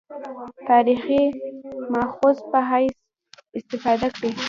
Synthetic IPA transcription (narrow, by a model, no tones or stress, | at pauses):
t̪ɑɾiximɑxozpəɦajs | ɪst̪ɪfɑd̪akɽi